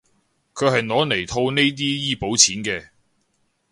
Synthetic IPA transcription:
kʰɵ˨˧ɥhɐ˨jnɔː˨˧ne˨˩jt̪ʰo˧wne˥jt̪̬iː˥jiː˥po˨˥wt͡sʰiː˨˥nkɛː˧

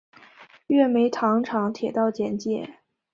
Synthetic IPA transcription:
ɥɛ˥˩me˧˥ɪt̪ʰɑ˧˥ŋʈ͡ʂʰɑ˧˥ŋt̪ʰjɛ˨˩t̪ɑ˥˩ʊt͡ɕjɛ˧˥nt͡ɕjɛ˥˩˦

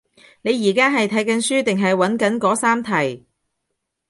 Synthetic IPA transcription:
ne˨˧jːiː˨˩kaː˥ɦɐ˨jt̪ʰɐ˨˥jkɐ˨˥nsyː˥t̪ɪ˨ŋɦɐ˨jwɐ˨˥nkɐ˨˥nkɔː˨˥saː˥mt̪ʰɐ˨˩j

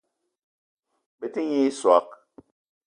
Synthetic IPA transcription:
be˦ti˦ɲe˦swa˨˦k̚

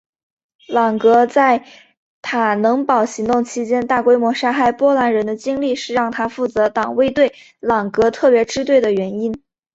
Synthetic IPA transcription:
lɑ˨˩ŋkɤ˧˥t͡sa˥˩ɪ | t̪ʰa˨˩nɤ˧˥ŋpɑ˨˩ʊɕi˧˥ŋt̪ʊ˥˩ŋt͡ɕʰi˥t͡ɕjɛ˥nt̪a˥˩kwe˥ɪmwɔ˧˥ʂa˥xa˥˩ɪpwɔ˥la˧˥nɻə˧˥nd̪ə˧t͡ɕi˥ŋli˥˧ʂɻ̩˥˧ɻɑ˥˩ŋt̪ʰa˥fu˥˩t͡sɤ˧˥t̪ɑ˨˩ŋwe˥ɪt̪we˥˩ɪ | lɑ˨˩ŋkɤ˧˥t̪ʰɤ˥˩pjɛ˧˥ʈ͡ʂɻ̩˥t̪we˥˩ɪd̪ə˩ɥɛ˧˥ni˥n

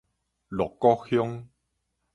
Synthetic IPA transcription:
lɔ˨˩kːɔ˦xjɔ˦ŋ

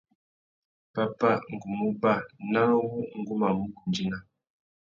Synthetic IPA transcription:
pa˦pa˦˨ŋ̩˨ɡu˨mu˦ba˦˨na˦wu˦ŋ̩˦ɡu˦ma˨mu˦ku˨nd͡ʒi˦na˦

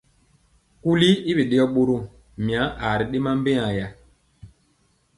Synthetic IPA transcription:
ku˦li˦i˦be˨ɗe˦ɔ˦ɓo˦ɾo˦˨ | mi˨a˨˦ʔa˨ɾi˨ɗe˦ma˦m˦be˦a˨ja˦

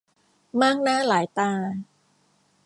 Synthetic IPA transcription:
maː˥˩k̚naː˦˥˩laː˩˦jt̪aː˧

